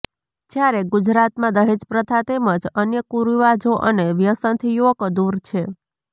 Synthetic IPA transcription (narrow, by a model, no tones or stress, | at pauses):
d͡ʒjaɾeɡud͡ʒɾat̪mãd̪əɦed͡ʒpɾət̪ʰat̪eməd͡ʒənjəkuɾiʋad͡ʒoʔəneʋjəsənt̪ʰijuəkod̪uɾt͡ʃʰe